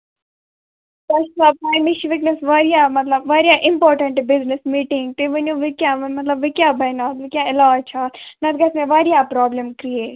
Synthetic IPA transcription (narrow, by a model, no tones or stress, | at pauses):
t̪ɐʃsaːb̚paːjmiʃʋɪknəsʋaːɾijaːmɐt̪lɐbʋɐːɾijaːʔɪmpɔːɾʈɐ̃ɳʈbɪznɪsmiːʈɪ̃ŋɡ̚t̪eʋɐnjõːʋikjaːʋmɐt̪lɐbʋikjaːbʱɐjnaːt̪ʋikʲjaɪlaːt͡ʃʰaːt̪nɐt̪ɡɐsmẽʋaːɾijapɾɔːbləmkɾieːʈ